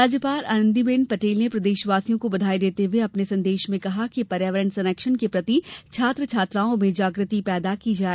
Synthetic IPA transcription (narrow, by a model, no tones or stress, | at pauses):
aːd͡ʒjəpaːɾa̰ːnə̃nd̪ibeːnpɐʈeːlnepɾɐd̪eːʃʋaːsijõkobɐd̪ʱaːid̪eːt̪eʋeɐpnesɐ̃nd̪eːʃmẽkɐɦakipɐɾjaːʋəɾə̃ɳɖsɐnɛːkʃənkepɾɐt̪it͡ʃʰaːt̪ɾət͡ʃʰaːt̪ɾaːõmẽd͡ʒaːɡɾət̪ipɛːd̪akid͡ʒaː